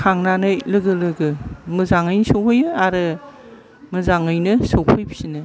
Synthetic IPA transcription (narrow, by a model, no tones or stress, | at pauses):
kʰaŋnanɯlɯɡɯlɯɡɯmɯzaŋɯjnɯsokʰɯjɯaɾɯ | mɯzaŋɯjnɯsowkʰɯjbi̥sinɯ